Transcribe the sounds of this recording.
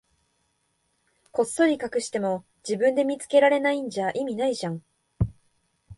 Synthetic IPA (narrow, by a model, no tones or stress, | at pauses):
ko̞sːo̞ɾʲikakɯ̟ɕi̥t̪e̞mo̞ | d͡ʑibɯ̟̃nd̪e̞mʲit͡sɨ̥ke̞ɾaɾe̞naĩɲ̟d͡ʑaʔimʲinaiʑãŋ